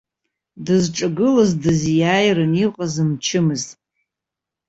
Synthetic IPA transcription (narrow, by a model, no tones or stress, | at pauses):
dɨzʈ͡ʂʼaɡɨlazdɨzjaːjrɨniqʼazɨmt͡ʃʰɨmɨztʼ